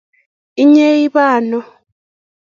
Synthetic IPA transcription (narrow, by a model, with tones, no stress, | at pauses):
i˦ɲe˦i˦βaː˨nɔ˦